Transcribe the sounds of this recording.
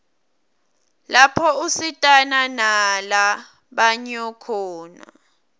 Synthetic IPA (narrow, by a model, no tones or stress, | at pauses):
lapʰɔusitʼananala | ɓaɲɔkʰɔːna̰